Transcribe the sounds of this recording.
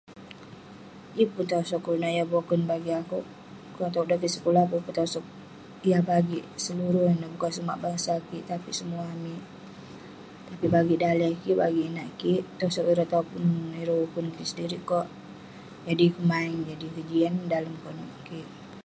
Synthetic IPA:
ipʊnt̪asɔkːuɾunaijabɔkunbaɡiakuʔ | kɔt̪adakisə̥kulahpuput̪ɔsɔk̚ | jabaɡiʔsəluɾunabukansuma̰ʔbaŋsakiʔt̪apisəmuami | t̪apibaɡiʔdaliakiba̰ɡiːnaʔkiʔt̪ɔsɔkiɾɔt̪aupʊniɾoukʊnkisədiɾikɔʔ | d͡ʒadikəmaɪŋd͡ʒadikəd͡ʒiandaləmkɔnɔʔkiʔ

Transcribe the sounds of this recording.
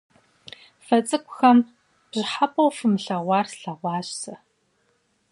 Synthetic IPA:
fɐt͡sʼɨkʷʼʊxɐm | b̥ʑɪħapʼɐwfɨmɨɬɐʁʷɑːrsɬɐʁʷɑːɕsɐ

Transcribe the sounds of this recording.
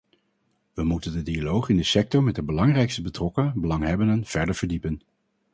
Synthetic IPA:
ʋəmutəndədialowχɪndəsɛk̚tɔɹmɛt̚dəbəlɑŋrɛjkstəbətrɔkəbəlɑŋɦɛbəndənv̥ɛɹdəɹvəɹdipən

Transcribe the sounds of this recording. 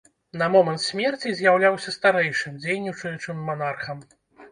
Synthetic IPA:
nɐmɔmɐnt̪sʲmʲɛrt͡sʲizʲjawlʲawsʲɐst̪aɾɛjʂɨmd͡zʲejnʲit͡ʂɨjʲut͡ʂɨmːanarxɐm

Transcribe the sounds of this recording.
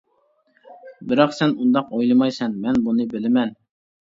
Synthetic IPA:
bɪɾɑqsɛnund̪ɑqojlˠɨmɑjsɛnmɛnbunɨbɪlɪmɛn

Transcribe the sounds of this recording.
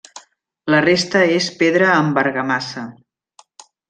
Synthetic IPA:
lərest̪əespeðɾəːmbəɾɣəmasə

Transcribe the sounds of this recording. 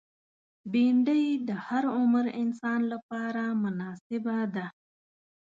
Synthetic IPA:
biɳɖəjd̪əhaɾʊmɾɪnsɑːnlapɑɾamʊnɑsɪbad̪a

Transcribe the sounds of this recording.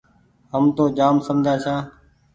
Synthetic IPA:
ɦəmt̪oːd͡ʒaːmsəmd͡ʒʱaːt͡ʃʰaː

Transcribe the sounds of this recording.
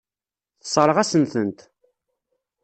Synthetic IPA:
θsˤɾˤəʁæsənθənt̪

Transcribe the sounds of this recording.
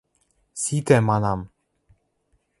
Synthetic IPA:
sit̪ɛmanam

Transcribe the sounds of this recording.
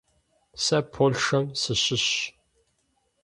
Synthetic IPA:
sɐpʰolʂɐmsɨɕɪɕ

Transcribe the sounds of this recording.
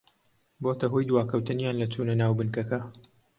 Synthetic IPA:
bot̪ɐɦoːjd̪waːkʰɐwt̪ɨnjaːnlɐt͡ʃʰuːnɐnaːwbɨnkɐkɐ

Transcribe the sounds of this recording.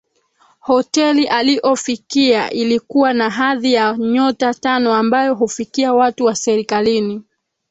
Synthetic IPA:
hɔtɛliʔaliʔɔfikiaʔilikuwanaɦaðijaɲɔtatanɔambajɔɦufikiawatuwasɛɾikalini

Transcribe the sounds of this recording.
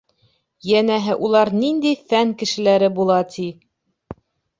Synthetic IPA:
jænæɦɘʔulˠɑɾnind̪ijfæŋkɘ̆ʃɘ̆læɾɘbulˠɑt̪ʰi

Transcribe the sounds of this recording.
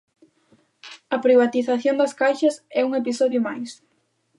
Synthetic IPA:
ɐpɾiβ̞at̪iθaθjond̪ɐskajʃɐsɛuŋepisɔðjʊmajs

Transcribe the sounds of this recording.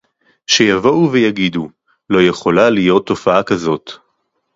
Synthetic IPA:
ʃejavo̞uvejaɡidu | lo̞je̞χo̞lalijo̞t̪ːo̞faakazo̞t

